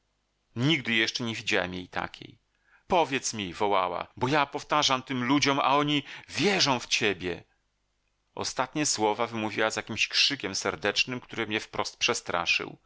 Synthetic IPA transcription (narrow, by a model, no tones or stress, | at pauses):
ɲiɡd̪ɘjɛʂt͡ʂɛɲevʲid͡ʑawɛ̰mjejt̪a̰kʲʰḛj | pɔvʲjɛt̪smʲivɔwawa̰bɔjapɔft̪aʐamt̪ɘmlud͡ʑɔma̰ɔɲivʲjɛʐɔ̃w̃ft͡ɕɛbʲjɛ̰ | ʔɔ̰st̪at̪ɲɛswɔvavɘmuvʲiwazjakʲimɕkʂɘkʲɛmsɛɾd̪ɛt͡ʂnɘmkt̪uɾɘmɲɛfpɾɔst̪̚pʂɛst̪ɾa̰ʂɨ̰w